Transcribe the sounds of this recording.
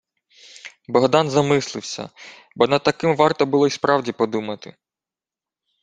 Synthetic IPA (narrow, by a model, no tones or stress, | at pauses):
bɔɦd̪ɑnzɐmɪslˠɪwsʲɐ̰ | bɔnɐd̪̚t̪ːɐkɪmʋɑrt̪ɔbʊlˠɔispɾɑwdʲipɔd̪umɐt̪ɪ̰